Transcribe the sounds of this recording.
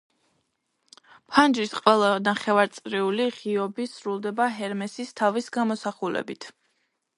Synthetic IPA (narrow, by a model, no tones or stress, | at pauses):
pʰand͡ʒɾisqʼwɛlˠanaχɛvaɾt̪sʼɾiuliʁiɔbisɾulˠd̪ɛbaɦɛɾmɛsist̪ʰavisɡamɔsaχulɛ̰bit̪ʰ